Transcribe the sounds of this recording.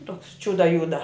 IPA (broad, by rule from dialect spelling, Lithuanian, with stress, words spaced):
toːks ˈt͡ʃʲʊdɐ ˈjʊdɐ